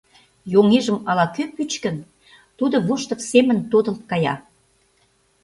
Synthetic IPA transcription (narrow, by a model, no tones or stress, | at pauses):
joŋeʒəmɑlɑkøpyt͡ɕkə̆n | t̪ud̪ŏβuʃt̪ə̆psemə̆nt̪od̪ə̆lt̪̚kɑjɑ̰